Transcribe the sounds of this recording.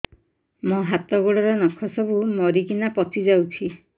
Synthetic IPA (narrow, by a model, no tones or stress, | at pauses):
mɔɦat̪ɔɡuɽɔɾɔnɔkʰɔsɔbumɔɾikinapɔt̪id͡ʒawt͡ʃʰi